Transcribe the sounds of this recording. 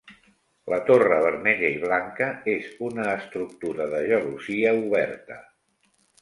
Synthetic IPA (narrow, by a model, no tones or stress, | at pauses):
lət̪orəβ̞əɾmɛʎəiβ̞laŋkəezunəːst̪ɾuk̚t̪uɾəðəʒəluziəuβ̞ɛ̰ɾt̪ə̰